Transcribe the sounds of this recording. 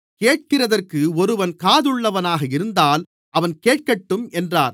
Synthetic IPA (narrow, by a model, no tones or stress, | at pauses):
keːʈ̚kɪrɐðɐrkɯɔɾɯʋɐnkaːðɯɭːɐʋɐnaːɣɐɪɾɯnd̪aːl | ʔɐʋɐnkeːʈ̚kɐʈːɯmɛndraːɾ